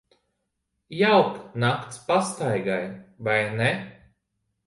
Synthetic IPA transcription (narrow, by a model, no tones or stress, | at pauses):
jawknakt̪spast̪ajɡajvajnɛ